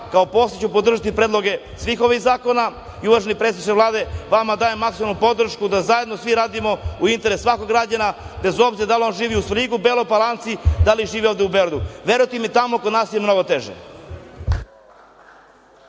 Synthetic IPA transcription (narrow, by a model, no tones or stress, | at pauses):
kaopo̞ːset͡ɕupod̪r̩ʒat̪ipɾeːd̪lˠo̞ɡe̞ | sʋiːxo̞ʋiɣzaːko̞na | iuʋaʒenipɾet̪eit͡ʃeʋlˠaːd̪e̞ʋamad̪aːjemːaksimalnupo̞d̪r̩ʃkud̪azaje̞d̪no̞sʋiɾaːd̪imo̞uint̪e̞ɾesːʋako̞ɡɾaːd͡ʑana | be̞zo̞bziɾad̪alio̞nʒiːʋiusʋɾiɡubelˠopalˠant̪sid̪aliʒiːʋio̞ʋvd̪eubeɾad̪uʋe̞ɾujt̪imit̪amokod̪naːsjemno̞ɡot̪e̞ʒḛ